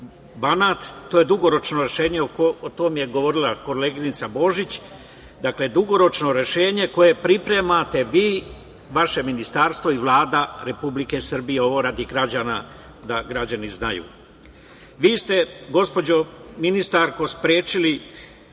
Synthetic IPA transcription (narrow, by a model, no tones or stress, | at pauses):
banat̪ːoje̞d̪uɡo̞ɾo̞t͡ʃno̞ɾe̞ʃe̞ːɲe̞oot̪o̞mje̞ɡo̞ʋo̞ɾilako̞leɡinit̪sabo̞ʒit͡ɕ | d̪akle̞d̪uɡo̞ɾo̞t͡ʃno̞ɾe̞ʃe̞ːɲe̞ko̞je̞pɾipɾe̞mat̪e̞ʋiː | ʋaʃe̞minist̪aɾst̪ʋo̞iʋlˠaːd̪aɾe̞publike̞sr̩bijeo̞ʋo̞ɾad̪iɡɾad͡ʑaːna | d̪aɡɾad͡ʑaniznajṵː | ʋiːst̪e̞ɡo̞spo̞d͡ʑo̞minist̪aɾko̞spɾeːt͡ʃili